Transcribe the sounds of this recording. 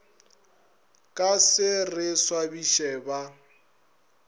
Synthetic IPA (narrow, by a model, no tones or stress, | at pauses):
kʼasɪrɪswabiʃɛːba